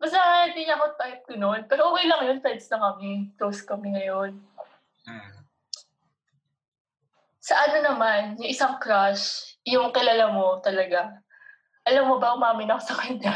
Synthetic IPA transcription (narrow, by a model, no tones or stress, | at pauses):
mɐs̬aŋajat̪ɪɲɐʔɐkot̪ajt̪̚kʊnonpɛːɾoʔoːkejlɐŋjonpɛjd̪snɐŋkɐmɪt̪owskɐmɪŋɐjon | sɐʔɐno̞nɐmanjʊŋʔɪsaŋkɾaʃjʊŋkɪlaːlamo̞t̪ɐlɐɡa | ʔɐlɐmːobɐʔʊmaːmɪnɐkosɐkɐɲa